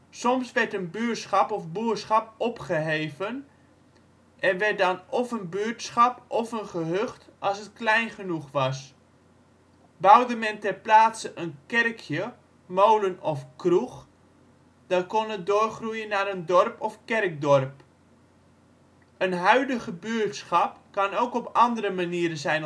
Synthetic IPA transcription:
sɔmsʋɛrtənbyətsχɑpɔfbuəsχɑpɔpχəɦeːvən | ʔɛnʋɛrt̚dɑnɔfənbyətsχɑpʔɔfənχəɦøχtʔɑlˠsət̚klɛjnχənuχʋɑs | bawdəmɛntɛrplaːtsəʔənkɛrkʰjə | mowlənɔfkruχ | d̥ɑtkɔnədoːrχrujənːaɾəndɔrpɔfkɛrk̚dɔrp | ənɦœɥdəɣəbøːtsχɑpkɑnowkɔpɑndəɾəmaniːɾənzɛjn

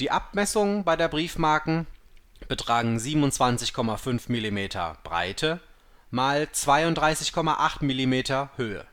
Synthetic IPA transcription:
d̥iːʔap̚mɛsʊŋəbaɪdeːɐbʁiːfmaːɐkŋ̩b̥ətʁ̥aːɡŋ̩ziːbm̩ʊnt͡sv̥ant͡sɪçkʰɔmafʏnfmilimeːtʰɐ̰b̥ʁa̰ɪtʰə | maːlt͡sv̥aɪʊntdʁaɪsɪçkʰɔma̰ʔaχtmilimeːtɐhøːə̰

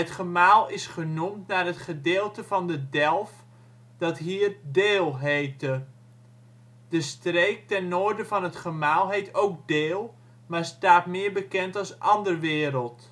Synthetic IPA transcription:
ətχəmaːlˠɪsχənumtnaːrɦətχədeːlˠtəvɑndədɛlˠf | d̥ɑtɦiːrdeːlˠɦejtə | d̥əstreːk̚tɛnːoːrdəvɑnɦətχəmaːlˠɦejtowk̚deːlˠ | maːɹstaːtmɪːɹbəkɛntɑlsʔɑndərʋɪːɾəlˠt

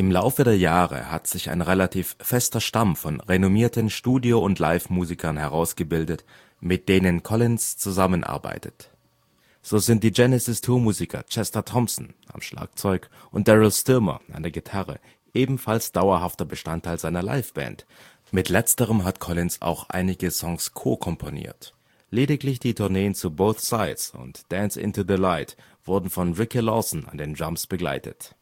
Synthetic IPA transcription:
ʔɪmlaʊfədeːɐjaːʁə̰ha̰tz̥ɪça̰ɪnʁelatʰiːfːɛstɐʃtamfɔnʁenomiːɐtənʃtuːdioʊntʰla̰ɪfmuːzikʰɐnhɛʁaʊsɡ̥əbɪldət | mɪt̚d̥eːnənkʰɔlɪnst͡suzamənʔa̰ɐba̰ɪtət | z̥oːzɪntd̥iːd͡ʒɛnɛsɪstʰuːɐmuːzikʰɐ̰t͡ʃɛstɐtʰɔmsn̩ʔa̰mʃla̰ːk̚t͡sɔʏk | ʔʊnt̚d̥ɛʁɪlstʏɐmɐ̰ʔa̰ndeɐɡitʰaʁə̰ | ʔeːbm̩falsd̥aʊɐɦaftɐbəʃtantʰːaɪlzaɪnɐla̰ɪfb̥ɛ̰̃ːnt | mɪtʰlɛt͡stəʁ̞əmɦatkʰɔlɪnsa̰ʊxʔa̰ɪnɪɡəsɔŋskʰo̰ːkʰɔmpʰonḭːɐt | leːdɪklɪçd̥iːtʰʊɐneːənt͡suboʊθsaɪtsʊ̰ntd̥ɛnsʔɪ̰ntuðəlaɪt | v̥ʊɐdn̩fɔnʁɪkilɔsn̩a̰ndeːnd͡ʒamsb̥əɡla̰ɪtʰə̰t

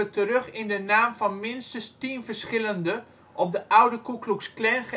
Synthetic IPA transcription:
ətəɾøχɪndənaːmvɑnmɪnstənstinvəɹsχɪləndə | ʔɔp̚dəʔawdəkukluksklɛnχə

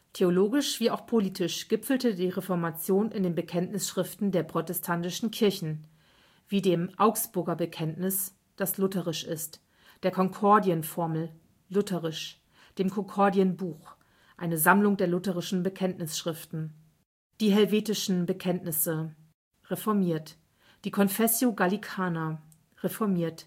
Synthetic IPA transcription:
tʰeoloːɡɪʃv̥iːaʊxpʰoliːtɪʃɡ̥ɪpfl̩tədiːʁefɔɐmat͡sjoːnʔɪ̰ndeːnbəkʰɛntnɪsʃʁ̥ɪftn̩deːɐpʁ̥otɛstʰantɪʃn̩kʰɪɐçn̩ | v̥iːdeːmʔaʊksb̥ʊɐɡɐbəkʰɛntnɪs | d̥aslʊtəʁɪʃɪst | d̥eːɐkʰɔŋkʰɔɐdiənfɔɐml̩ | lʊtʰəʁɪʃ | d̥eːmkʰɔŋkʰɔɐdiənbuːx | ʔaɪnəzamlʊŋdeːɐlʊtəʁɪʃn̩bəkʰɛntnɪsʃʁ̥ɪftn̩ | d̥iːɦɛlveːtɪʃn̩bəkʰɛntnɪsə | ʁefɔɐmiːɐt | d̥iːkʰɔnfɛsjoɡalikʰaːnɐ | ʁefɔɐmiːɐt

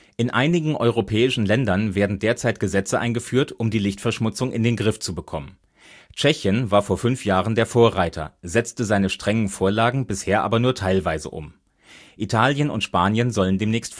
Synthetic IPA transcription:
ʔɪnʔaɪnɪɡŋ̩ʔɔʏʁopʰɛːɪʃn̩lɛndɐnveːɐdn̩deːɐt͡saɪt̚ɡ̥əzɛt͡səʔa̰ɪnɡəfyːɐtʔʊmdiːlɪçtfɛɐʃmʊt͡sʊŋɪndeːnɡʁɪft͡subəkʰɔmən | t͡ʃɛçənvaːɐfoːɐfʏnfjaːʁəndeːɐfoːɐʁaɪtʰɐ̰zɛt͡stəzaɪnəʃtʁ̥ɛŋənfoːɐlaːɡŋ̩bɪsheːɐʔa̰ːbɐnuːɐtʰaɪlvaɪzə̰ʔʊ̰m | ʔitʰaːljənʊ̰ntʃpaːnjənzɔləndeːmnɛːçst

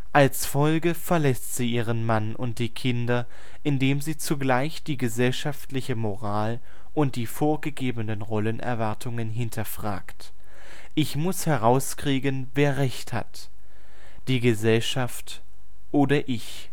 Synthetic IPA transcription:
ʔalsfɔlɡəfɛɐlɛstz̥iːʔiːʁ̞ənmanʔʊ̰nt̚d̥iːkʰɪndɐ | ʔɪndeːmziːt͡suɡlaɪçd̥iːɡəzɛlʃaftlɪçəmoʁaːl | ʔʊnt̚d̥iːfoːɐɡəɡeːbənənʁɔlənʔɛ̰ɐvaɐtʰʊŋənɦɪntʰɐfʁ̥a̰ːkt | ʔɪçmʊshɛʁaʊskʁ̥iːɡənveːɐʁɛçtha̰t | d̥iːɡəzɛlʃaft | ʔoːdɐʔɪç

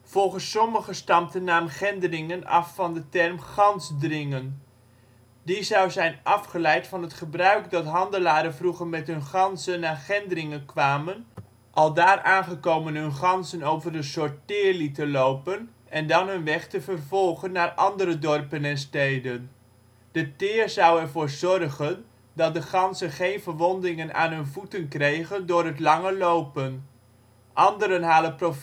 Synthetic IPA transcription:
v̥ɔlˠχəsːɔməχəstɑmtənːaːmχɛndərɪŋənɑ̰fːɑndətɛrmχɑnzdrɪŋən | dizɑwzɛjnʔɑfχəlɛjtfɑnɦətχəbrœɥkdɑtɦɑndəlaːɾənvruχəɹmɛtɦɵnχɑnzənːaːχɛndərɪŋənkʋaːmən | ʔɑlˠdaːrʔaːnχəkowmənɦɵnχɑnzənowvərdəsɔɹtɪːɹlitəlowpən | ɛndɑnɦɵnʋɛχtəvərvɔlˠχənːaːɹʔɑndəɾədɔrpənɛnstejdən | d̥ətɪːɹzɑwɛɹvʊːɹzɔrχən | dɑt̚dəχɑnzənχejnvəɹʋɔndɪŋəna̰ːnɦɵnvutənkrejχəndʊːrɦətlɑŋəlowpən | ʔɑndəɾənɦaːdəprof

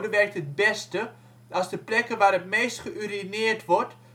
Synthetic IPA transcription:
dəʋɛrk̚tət̚bɛstə | ʔɑsdəplɛkəʋaːɾətmeːstχəʔyrinɪːrtʋɔrt

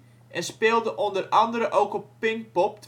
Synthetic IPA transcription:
ʔɛnspɪːlˠdəʔondərɑndəɾəʔowkɔpːɪŋk̚pɔp̚tʰ

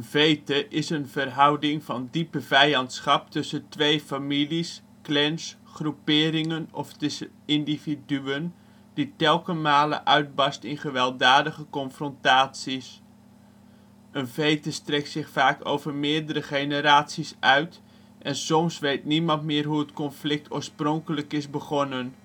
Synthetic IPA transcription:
ənvejtəʔɪsənvərɦʌwdɪŋvɑndipəvɛjɑntsχɑp̚tɵsəntʋejfamilis | klɛns | χrupɪːɾɪŋənɔ̰ftɪsə | ɪndividyən | d̥itɛlˠkəmaːlə̰ʔœɥd̚bɑstɪnχəʋɛlˠdaːdəχəkɔnfrɔntaːtsis | ʔənvejtəstrɛk̚tsɪχfaːko̰wvərmɪːɹdəɾəχejnəɾaːtsisœɥt | ʔɛnsɔmsʋejtnimɑntmɪːrɦuətkɔnflɪk̚tʰoːɹsprɔŋkələkɪsbəχɔnən

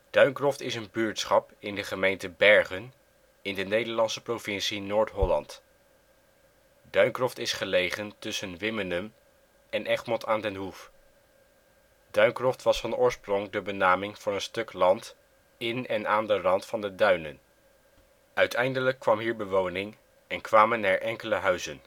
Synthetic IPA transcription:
d̥œɥŋkrɔftɪsənbyːɹtsχɑpɪndəχəmejntəbɛɹχən | ɪndənejdəɹlɑnsəprovɪnsinoːɹtɦɔlɑnt | d̥œɥŋkrɔftɪsχəlejχəntɵsənʋɪmənəm | ɛnʔɛχmɔtaːndɛnɦuf | dœɥŋkrɔftʋɑsfɑnʊːɹsprɔŋdəbənaːmɪŋv̥ʊːɹənstɵklɑnt | ɪnɛnaːndərɑntfɑndədœɥnə̰n | œɥtɛjndələkːʋɑmɦiːɹbəʋownɪŋ | ɛnkʋaːmənːaːɹʔɛŋkələɦœɥzən

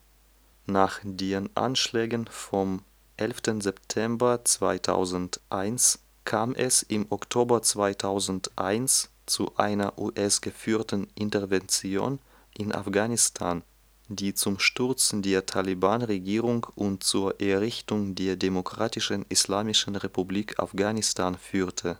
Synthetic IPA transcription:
naːχd̥eːʁənʔa̰nʃlɛːɡənfɔm | ʔɛlftənzɛptʰɛmbɐt͡sv̥a̰ɪtʰa̰ʊzn̩tʔaɪns | kʰaːmʔɛsɪmɔktʰoːbɐt͡sv̥aɪtʰaʊzn̩tʔa̰ɪns | t͡suʔa̰ɪnɐʔuːʔɛsɡ̥əfyːtn̩ʔɪntɛɐvɛnt͡sjo̰ːn | ʔɪnʔa̰fɡ̥aːnɪstʰaːn | diːt͡sʊmʃtʊɐt͡sn̩deːɐtʰalibaːnʁeɡiːʁ̞ʊŋʔʊntt͡suːɐʔɛɐʁɪçtʊŋdeːɐdemokʁ̥aːtɪʃənɪslaːmɪʃn̩ʁepubliːkʰa̰fɡ̥aːnɪstʰaːnfyːtʰə

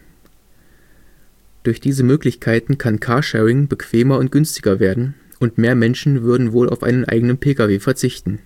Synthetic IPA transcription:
d̥ʊɐçd̥iːzəmøːklɪçkʰaɪtn̩kʰankʰaːɐʃɛːʁɪŋbəkv̥eːmɐʊnt̚ɡ̥ʏnstɪɡɐveːɐdn̩ | ʔʊntmeːɐmɛnʃn̩vʏɐdn̩voːla̰ʊfʔa̰ɪnənʔa̰ɪɡənənpʰeːkaveːfɛɐt͡sɪçtn̩

